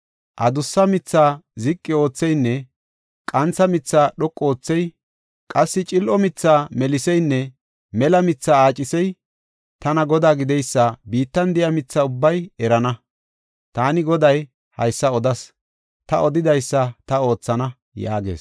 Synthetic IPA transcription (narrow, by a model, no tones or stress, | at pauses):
ʔɐd̪ʊsːɐmɪt͡sːaːzɪkʼːɪo̞ːt͡sːɛjnːɛ | kʼɐnt͡sːɐmɪt͡sːaːɗɔkʼːoːt͡sːɛj | kʼɐsːɪt͡ʃʼɪlʔɔmɪt͡sːaːmɛlɪsɛjnːɛ | mɛlɐmɪt͡sːaːaːt͡ʃʼːɪsɛj | t̪ɐnɐɡɔd̪aːɡɪd̪ɛjsːɐbiːt̪ːɐnd̪ɪjɐmɪt͡sːaːʊbːɐjɛɾɐnɐ | t̪aːnɪɡɔd̪ɐj | hɐ̰jsːɐɔd̪ɐs | t̪ɐʔɔd̪ɪd̪ɐjsːɐt̪ɐo̞ːt͡sːɐnɐ | ja̰ːɡḛːs